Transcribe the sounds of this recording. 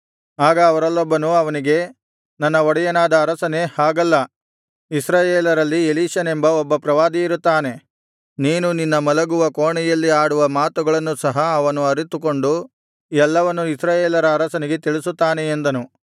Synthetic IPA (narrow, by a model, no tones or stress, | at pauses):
aːɡɐːʋɐɾɐlːɔbːɐnuɐʋɐniɡe̞ | nɐnːɐɔɽɛjɐnaːd̪ɐːɾɐsɐnehaːɡɐlːɐ | isɾaːjeːlɐɾɐlːieliːʃɐnembɐɔbːɐpɾɐʋaːd̪iiɾut̪ːaːne̞ | niːnuninːɐmɐlɐɡuʋɐkoːɳɛjɐlːiaːɽuʋɐmaːt̪uɡɐɭɐnːusɐɦɐːʋɐnuɐɾit̪uko̞ɳɖu | ɛlːɐʋɐnːuisɾaːjeːlɐɾɐːɾɐsɐniɡe̞t̪iɭisut̪ːaːne̞ːnd̪ɐnu